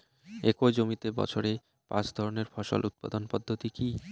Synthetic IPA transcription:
ekojd͡ʑomit̪ebɔ̰t͡ɕʰoɾe | pã̰t͡ɕd̪ʱɔɾoneɾfɔʃo̰lʔut̪̚pa̰d̪onpɔd̪ʱːot̪iki

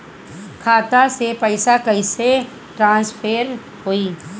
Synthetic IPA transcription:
kʰaːt̪asepɛɪsakɐise | ʈɾãːnspʰeːɾ | hoːiː

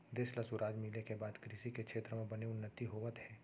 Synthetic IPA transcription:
d̪eːslɐsʊɾaːd͡ʒmiːlekebaːd̪kɾisikekʃʰeːt̪ɾəmẽbɐneʊnːət̪iɦoːʋət̪hɛː

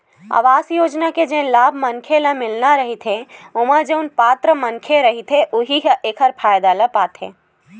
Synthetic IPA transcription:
a̰ːʋaːsjoːd͡ʒnaked͡ʒẽːlaːbʱmənkʰeləmɪlnaɾɐɦit̪ʰeʊmãd͡ʒeʊnpaːt̪ɾəmənkʰeɾɐɦit̪ʰeʔʊɦiɦəʔeːkʰəɾpʰaːjd̪aləpaːt̪ʰḛː

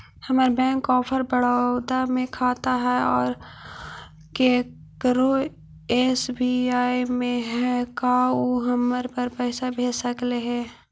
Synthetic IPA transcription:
hɐməɾbɛ̃ːŋkːɔːpʰəɾbəɽ̤aːd̪amẽkʰaːt̪aɦɛɔːɾ | keː | kɾo | eːsbiaːimẽɦɛkaoɦɐməɾpəɾpɛːsabʱeːsəkleɦɛː

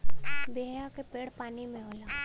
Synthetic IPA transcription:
beɦjakepeːɽpaːnimẽɦoːla

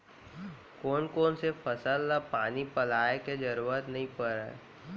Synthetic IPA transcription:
koːnkoːnsepʰəsəlːapaːnipɐlaːeked͡ʒɐɾuːɾət̪nɐɦĩpəɾḛ

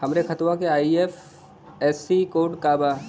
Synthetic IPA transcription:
hɐmɾekʰɐt̪ʋãkeaːief | ɛːsikoːɖkaːbaː

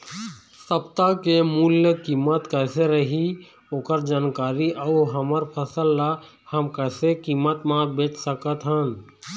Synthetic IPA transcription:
səpt̪akemuljəkiːmːət̪kəɪseɾəɦi | oːkəɾd͡ʒaːnkaːɾiʔəuɦəməɾpʰəsəlːa | həmkəɪsekimːət̪mãbeːt͡ʃʰsəkət̪ɦən

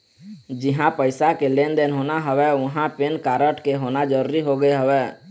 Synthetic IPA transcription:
d͡ʒɪɦãpəɪsakelend̪eːnɦoːnaɦəwɛʋʊɦãpenkaːɾəʈkeɦoːnad͡ʒəɾuːɾiɦoɡəeɦəwɛː

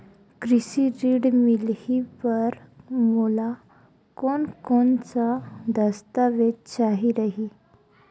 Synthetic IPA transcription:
kɾisiɾiːɽmilipəɾmula | konkont͡sad̪əst̪aʋet͡ɕaɦiɾəɦi

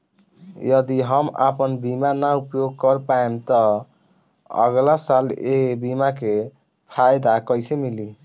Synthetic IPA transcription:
jʌd̪iɦʌma̰pənbimanaupjoɡ̚kʌɾpaemt̪ɔ | ʌ̰ɡlasalebimake | pʰajd̪akəjsemili

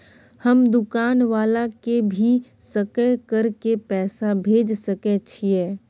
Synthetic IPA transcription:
həmd̪ʊkaːnʋaːlakebʱi | səkəkəɾkepɛːsabʱeːd͡ʒsəket͡ʃʰiɛː

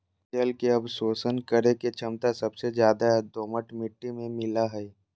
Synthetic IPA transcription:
əlkeɐbsoːsənkəɾeket͡ʃʰɐmt̪asɐbsed͡ʒjaːd̪ad̪oːməʈmɪʈːimẽmɪlaɦɛɛ

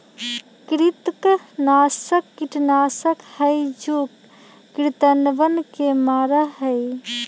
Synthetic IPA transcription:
kɾit̪knaːsəkːiʈnasəkhəjd͡ʒukː | ɾit̪ənbənkemaːɾəɦəj

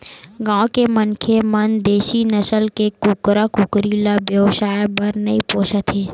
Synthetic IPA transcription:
ɡãːwkemənkʰemənd̪eːʃinəsəlkekukɾakʊkɾilabjəʋsaːjbəɾnəipoːʃət̪ʰe

